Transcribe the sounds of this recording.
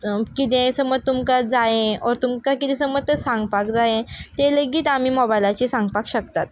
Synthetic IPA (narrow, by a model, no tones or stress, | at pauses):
kit̪ẽsəmət̪umkad͡zajẽɔɾt̪umkakit̪ɛ̃səmət̪əsãŋɡpakd͡zajẽt̪eləɡiːt̪am̤iːmɔbajlat͡ɕisãŋɡpakɕəkt̪at̪̚